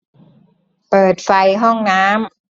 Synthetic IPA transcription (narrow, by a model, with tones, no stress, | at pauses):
pɤː˨˩t̪̚fa˧jɦɔ˥˩ŋnaː˦˥m